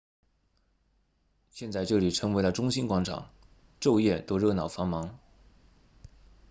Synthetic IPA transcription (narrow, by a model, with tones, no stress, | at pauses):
ɕjɛ˥˧nt͡sa˥˧ɪʈ͡ʂɤ˥˩li˨˩ʈ͡ʂʰɤ˧˥ŋwe˧˥ɪlə˧ʈ͡ʂʊ˥ŋɕi˥nkwɑ˧˥ŋʈ͡ʂʰɑ̰˨˩˦ŋ | ʈ͡ʂo˥˧ʊjɛ˥˩t̪o˥˧ʊɻɤ˥˩nɑ˨˩ʊfɑ˧˥ŋmɑ˧˥ŋ